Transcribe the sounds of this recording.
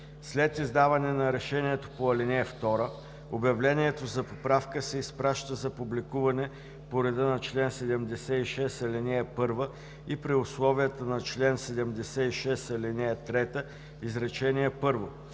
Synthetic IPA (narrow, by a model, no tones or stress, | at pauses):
slɛt̪izd̪avɐnɛnɐɾɛʃɛniɛt̪o̥poɐlinɛɛft̪ɔɾə | objɐvlɛniɛt̪ozɐpopɾafkəsɛispɾaʃt̪əzɐpublikuvɐnɛ | poɾɛd̪ənɐt͡ʃlɛnsɛd̪ɛmd̪ɛsɛiʃɛsɐlɛnɛɛpɤɾvə | ipɾiʊslˠɔvijət̪ənɐt͡ʃlɛnsɛd̪ɛmd̪ɛsɛiʃɛsɐlʲinɛɛt̪ɾɛt̪ə | izɾɛt͡ʃɛniɛpɤɾvo